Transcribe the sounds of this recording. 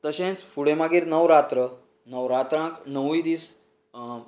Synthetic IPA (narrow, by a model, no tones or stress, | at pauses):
t̪əɕẽt͡sfuɽẽmaɡiːɾnəʋɾat̪ɾə | nəwɾat̪ɾãknəʋid̪iːs